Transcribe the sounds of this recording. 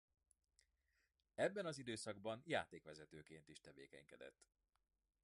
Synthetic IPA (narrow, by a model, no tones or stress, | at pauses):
ɛbːɛnɒzid̪øːsɒɡ̚bɒnja̰ːt̪eːkʋɛzɛt̪øːkeːnt̪iʃt̪ɛvḛːkɛ̰ɲkɛd̪ɛ̰t̪ː